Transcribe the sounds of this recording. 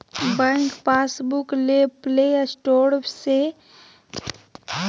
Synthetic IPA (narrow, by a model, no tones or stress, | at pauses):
bɛ̃ŋkpaːsbukleplesʈoːɾpse